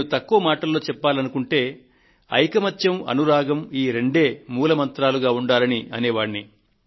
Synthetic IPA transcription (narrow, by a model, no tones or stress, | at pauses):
nnut̪ɐkːuʋɐmaːʈɐlːo̞ːt͡ʃɛpːaːlɐnukuɳʈe̞ː | ɐ̰jkɐmɐt̪jɐmɐ̰nuɾaːɡɐmiːɾe̞ɳɖe̞ːmuːlɐmɐnt̪ɾaːluɡaːuɳɖaːɾɐniɐneːʋaːɳːi